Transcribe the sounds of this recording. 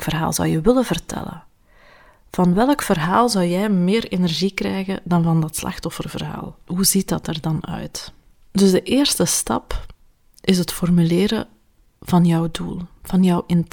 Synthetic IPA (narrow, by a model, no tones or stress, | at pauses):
kfərɦa̰ːlˠzɔ̰wjəʋɪləvərtʰɛ̰lə̰ | v̥ɑnʋɛlˠkfərɦaːlˠzɑwjɛjmɪːrenɛrʒikrɛjɣədɑnvɑndɑtslʔɑ̰xtɔfərvə̰rɦa̰ːlˠɦuzitdɑtərdɑnœ̰ɥt | dɵzdəʔɪːrstəstɑ̰p | ʔɪsɦətfɔrmylɪːɾə | v̥ɑnjœwduːlˠv̥ɑnjœwʔɪn